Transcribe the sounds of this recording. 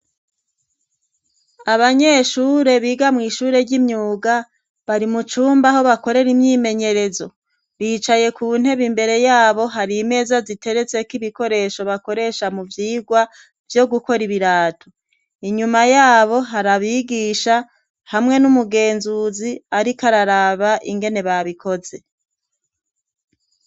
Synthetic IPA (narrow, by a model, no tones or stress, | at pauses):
aβaɲe̞ːʃuːɾe̞βiːɡamŋiʃuːɾe̞ɾɟimɲuːɡa | βaɾimut͡ʃuːmbaɦo̞βako̞ɾe̞ɾimɲiːme̞ɲe̞ɾe̞zo̞ | βiːt͡ʃaje̞kuːn̥he̞βimbe̞ɾe̞jaːβo̞ɦaɾiːme̞ːzazite̞ɾe̞t͡se̞kiβiko̞ɾe̞ʃo̞βako̞ɾe̞ʃamuvjiːɡwa | vjo̞ɡuko̞ɾiβiɾaːto | iɲumajaːβo̞ɦaɾaβiɡiːʃa | hamŋe̞numuɡe̞ːnzuziaɾikaɾaɾaβaʔiŋɡe̞ne̞βaβikʰo̞ze̞